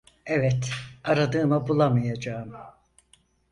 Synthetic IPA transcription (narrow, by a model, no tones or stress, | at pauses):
ɛvɛt̪aɾad̪ɯːmɯbulˠamɯjad͡ʒaːmɯ